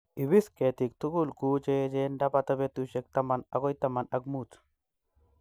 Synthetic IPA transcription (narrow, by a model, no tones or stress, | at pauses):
iβisket̪ik̚t̪uɡulkut͡ʃed͡ʒendapat̪aβet̪uʃek̚t̪amanaɡojt̪amanakmut͡s